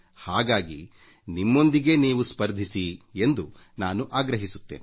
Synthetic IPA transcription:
haːɡaːɡi | nimːo̞nd̪iɡe̞ːniːʋuspɐɾd̪ʱisie̞nd̪u | naːnuʔaːɡɾɐɦisut̪ːeːn

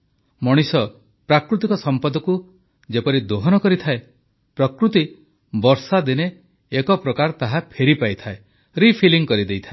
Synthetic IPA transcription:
mɔɽ̃isɔ | pɾakɾut̪ikɔsɔmpɔd̪ɔku | d͡ʒepɔɾid̪oɦɔnɔkɔɾit̪ʰae | pɾɔkɾut̪i | bɔɾsad̪ineː | kɔpɾɔkaɾt̪aɦapʰeɾipajt̪ʰae | ɾipʰiliŋkɔɾid̪ejt̪ʰae

